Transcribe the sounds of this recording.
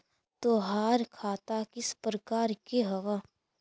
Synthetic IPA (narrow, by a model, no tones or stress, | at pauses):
t̪oːɦaːɾkʰaːt̪akɪspɾəkaːɾkeɦɐʋa